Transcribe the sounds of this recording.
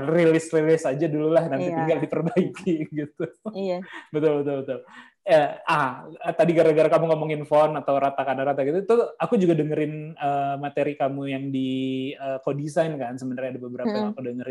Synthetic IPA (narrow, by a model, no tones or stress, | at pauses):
rilɪsrilɪsad͡ʒadululahnaniiŋɡaldipərbaikiɡit̪u | bət̪ʊlbət̪ʊlbət̪ʊl | aaət̪adiɡaɾaɡaɾakamuŋomɔŋɪnfɔnat̪awɾat̪akanaɾat̪aɡit̪ut̪uakud͡ʒuɡadəŋəɾɪnəːmat̪eɾikamujaŋdiəːkodisajnkansəməndarɲadabəbəɾapajŋakudəŋəɾɪ